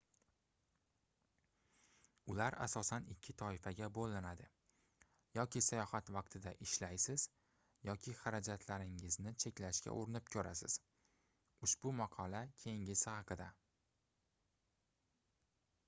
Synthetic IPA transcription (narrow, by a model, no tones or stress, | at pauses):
ʊlaɾa̰sɒsanɪkʲʰːɪt̪ʰɒɪfaɡʲabolˠːɪnad̪ɪ | jɒkʲʰɪsajɒhat̪vɑqt̪ʰɪd̪aʔɪʃlajsɪz̥ | jɒkʲʰɪχaɾad͡ʒat̪ʰlaɾɪŋɪznɪt͡ʃʰe̞kʲlaʃkʲa̰ʔoɾɪnɪpkʲʰɵɾasɪ̰z̥ | ʊʃbʊmɑqʰɒlakʲʰe̞jɪŋʲɪshɑqɨd̪a